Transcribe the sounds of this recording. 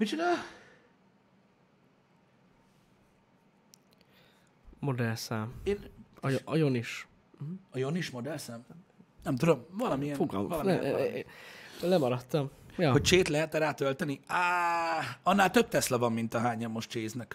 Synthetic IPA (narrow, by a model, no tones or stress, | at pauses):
pit͡ʃut̪ɒ | mo̞d̪ɛrsaːmeːn | joniʃ̩ | ɒjo̞niʃmo̞d̪ɛrsaːmnɛmt̪ud̪o̞mvɒlɒmijɛfoɡ̰vɒlɒniɛ̰ | olɛmɒɾɒt̪ːɒmjɒhoc̚t͡ʃeːt̪lɛɦɛt̪ɛɾaːt̪ølt̪ɛnia | ɒnːaːlt̪øb̚t̪ɛslɒvɒmːint̪ɒɦaːɲɒmːo̞ʃtt͡ʃeːznɛk